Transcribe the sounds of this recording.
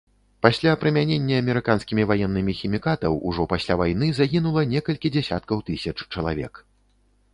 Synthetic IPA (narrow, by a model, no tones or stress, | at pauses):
pasʲlʲapɾɨmʲanʲenʲːɐːmʲɛɾɨkanskʲimʲivajɛnːɨmʲixʲimʲikat̪ɐwṵʐɔpasʲlʲavajnɨzaɣʲinulˠɐnʲɛkɐlʲkʲid͡zʲɛsʲa̰t̪kɐwt̪ɨsʲɐt͡ʂt͡ʂɐlˠa̰vʲɛ̰k